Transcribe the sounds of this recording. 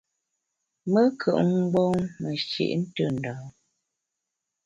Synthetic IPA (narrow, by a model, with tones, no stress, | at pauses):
mə˦kʰə̰˨ʔŋ˦ɡ͡bo˦ŋmə˨ʃḛ˨ʔn̩˦tə˦˨n̩˨dɔː˨